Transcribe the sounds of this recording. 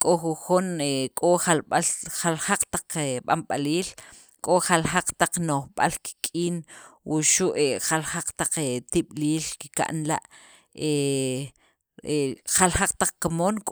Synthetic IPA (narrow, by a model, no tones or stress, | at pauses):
kʼoxuxunekʼoχalɓalxalxaq͡χt̪aq͡χeɓa̰mɓaliːl | kʼoχalxaq͡χt̪aq͡χnoχɓa̰lki̥kʼiːnwuʃuʔeχalxaq͡χt̪aq͡χet̪iɓ̥liːlkika̰ʔnla̰ʔ | e | eχalxaq͡χt̪aq͡χkamoːnkʼ